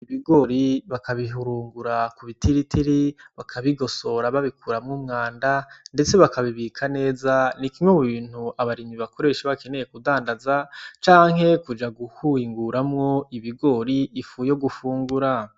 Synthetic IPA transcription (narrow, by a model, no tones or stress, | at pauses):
iβiɡo̞ɾiβakaβiɦuɾuːŋɡuɾakuβitiɾitʰiɾiβakʰaβiɡo̞so̞ɾaβaβikʰuːɾamŋumŋaːndande̞t͡se̞βakaβiβikʰane̞ːzanikimwemuβiːn̥huaβaɾiniβako̞ɾe̞ʃeβake̞ne̞je̞kudaːndazat͡ʃaːŋɦe̞kud͡ʒaɡuhuiŋɡuɾamŋo̞iβiɡo̞ɾiːfuːjo̞ɡufuːŋɡuɾa